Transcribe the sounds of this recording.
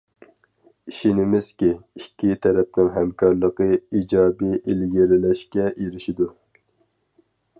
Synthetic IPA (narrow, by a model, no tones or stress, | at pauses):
iʃinɪmɪz̥kʲiikʲʰːit̪ʰɛɾɛp̚nɪŋɦɛmkɑɾlˠəqɨid͡ʒɑːbiʔilɡʲiɾɪlɛʃkʲɛʔeɾɪʃid̪u